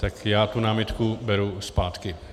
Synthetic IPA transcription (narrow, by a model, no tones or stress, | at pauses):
t̪akjaːt̪unaːmɪt̪kubɛɾuspaːt̪kɪ